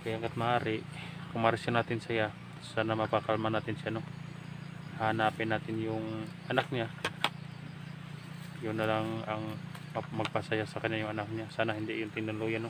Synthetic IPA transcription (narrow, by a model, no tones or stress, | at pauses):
kajaŋkat̪̚maaːɾɪʔkʊŋmaɾsjonat̪ɪnsaja | sanamapakalmanaːt̪ɪnsijano | hanapɪnːaːt̪ɪnjʊŋʔanak̚ɲa | jʊnːalaŋaŋmamɐɡ̚pasajasakaɲajʊŋanak̚ɲasaːnaɦind̪iʔjʊŋt̪ɪnd̪ʊnlujano